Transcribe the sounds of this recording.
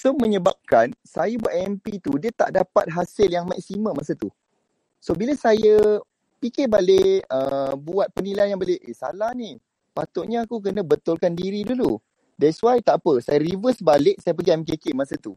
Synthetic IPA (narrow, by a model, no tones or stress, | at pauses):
somə̃ɲəbap̚kansa̰jəbuat̪ɛmpit̪udiət̪a̰ʔdapa̰t̪̚ɦasɪljaŋma̰k̚simə̃masət̪u | sobiləsajə | pikɪbaleʔəbuat̪̚pənilajnjaŋbaleʔesa̰lahni | pat̪ʊʔɲəakuk̬ənə̃bət̪ʊlkandiɾidulu | dɛswajt̪aʔapəsajəɾivəsbaleʔsajəp̬əɡiɛmk̬ekemasət̪u